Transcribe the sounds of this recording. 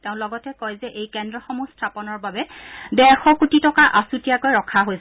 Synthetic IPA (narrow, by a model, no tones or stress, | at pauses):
teʊ̃lɔɡɔtɛkɔjzɛʔejkɛndɹɔxɔmustʰapɔnɔɹbabɛbɛxɔkutitɔkaʔasutijakojɹɔkʰaɦojs